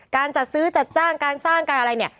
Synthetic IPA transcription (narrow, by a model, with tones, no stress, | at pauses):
kaː˧nt͡ɕa˨˩t̪̚sɯː˦˥t͡ɕa˨˩t̪̚t͡ɕaː˥˩ŋkaː˧nsaː˥˩ŋka˧nʔa˧ɾa˧jni˥˩ɐ